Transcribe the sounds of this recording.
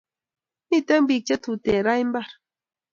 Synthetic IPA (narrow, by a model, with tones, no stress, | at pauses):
ni˦˨t̪ə˦ŋbi˨k̚t͡ʃə˦t̪u˨tɛ˨ɾa˦jm˦ba˦˨ɾ